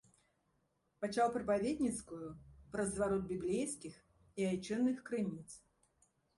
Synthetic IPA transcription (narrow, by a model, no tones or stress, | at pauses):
pat͡ʃalˠpɾɐpavʲed̪ʲnʲit̪skʊjʊpɾɐzvaɾɔt̪̚bʲiblʲejskʲix | iɐjt͡ʃɛnːɨxkɾɨnʲit̪s